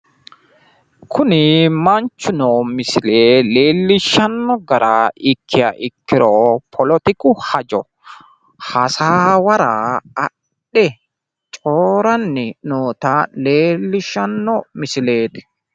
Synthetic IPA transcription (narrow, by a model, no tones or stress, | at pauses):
kʰʊnɪmɐnt͡ʃːʊnoːmɪsɪleːle̞ːlːɪʃːɐnːɔɡɐɾaːɪkʰːɪjɐ̰ʔɪkːɪɾoːpʰɔlɔt̪ɪkʊhɐd͡ʒɔ | hɐsaːwɐɾaːɐ | ɛ | t͡ʃʼoːɾɐnːɪnoːt̪aleːlːɪʃːɐnːɔmɪsɪle̞ːt̪ɪ̥